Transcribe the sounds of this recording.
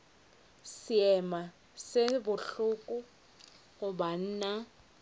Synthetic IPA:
sɪɛma | sɪbʊɬʊkʼʊ | ɣʊban̩ːna

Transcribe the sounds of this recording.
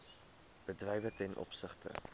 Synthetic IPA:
b̥ədrɛjvətɛnʔɔ̰psəχtə̰

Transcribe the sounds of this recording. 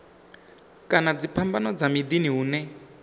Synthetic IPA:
kʼanad͡zipʰambanɔd͡zamidiniɦuːnɛ

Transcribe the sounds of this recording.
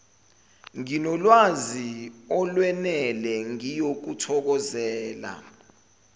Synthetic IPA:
ŋinɔlwaziɔlwɛnɛlɛŋijok̬utʰɔk̬ɔzɛːla̰

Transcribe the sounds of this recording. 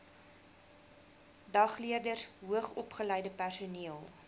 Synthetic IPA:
dɐχliərdərɦuəχɔpχəlɛjdəpærsuniəlˠ

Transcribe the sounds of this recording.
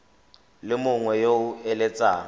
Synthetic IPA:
lɪmʊŋwɛjoʊɛlɛt͡sʼaː

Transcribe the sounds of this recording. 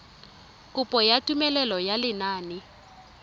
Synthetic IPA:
kʼʊpʼɔjatʼumɛlɛlɔjalɪnaːnɪ

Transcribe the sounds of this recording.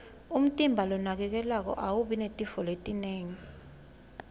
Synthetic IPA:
um̩tʼimbʱalɔnak̬ɛk̬ɛlak̬ɔ̰ʔawuɓinetʼifɔletʼineːŋi

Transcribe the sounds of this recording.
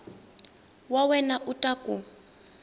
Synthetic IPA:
wawɛnaʔutʼakʼu

